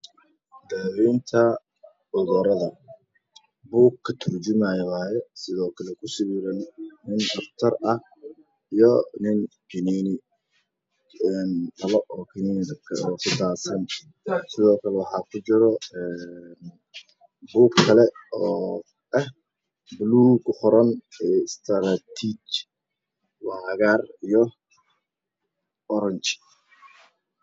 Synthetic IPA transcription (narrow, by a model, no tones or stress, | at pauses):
d̪aɾiːnt̪ʰɐ | ʊɣɐɾɐðɐ | buːɡkʰːɐt̪ʰʊrt͡ʃʊmaːjwaːjɛsɪðɔːkʰɐlɛkʰʊsɪβiːɾɐnnɪnd̪ɐft̪ʰɐrɐh | ijɔnɪŋ | kɪniːnɪ | ɛːnt̪ɐβɐʔɔːkʰɪniːnɪɐkʰɔːkʰʊd̪aːsɐn | sɪðɔːkʰɐlɛwɑħɑːkʰʊt͡ʃɪɾɔɛn | buːkkʰːɐlɛɔː | ɐh | bluːɡhʊɾɐnɛst̪ʰɾat̪ʰit͡ʃ | wɑːɣaːrijɔ | ɔɾɐɲt͡ʃɪ̥